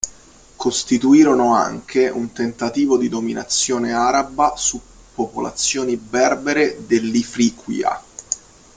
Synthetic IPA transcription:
kost̪it̪uiːɾonoa̰ŋkʰeʔunt̪ent̪at̪iːvod̪id̪omina̰t̪sːjoːneaːɾabasu | pːopola̰t̪sːjoːnibɛrbeɾed̪elːifɾiːkwḭa̰

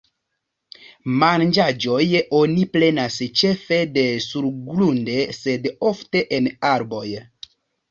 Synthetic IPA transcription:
mand͡ʒad͡ʒo̞jo̞niple̞nast͡ʃe̞fe̞de̞suɾɡlunde̞se̞do̞fte̞ʔenaɾbo̞j

